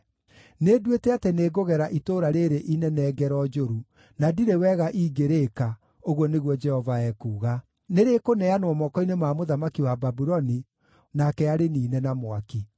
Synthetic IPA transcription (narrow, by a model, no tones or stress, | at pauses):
nedwetɛateneːɡoɣɛɾaʔitoɾaɾeɾeʔinɛnɛːɡɛɾɔd͡ʒoɾu | nadiɾewɛɣaʔiːɡeɾeka | oɣwɔneɣwɔd͡ʒɛhɔvaɛkuːɣa | neɾekonɛanwɔmɔkɔinemaːmoðamakiwababuɾɔni | nakɛaɾeniːnɛnamwaki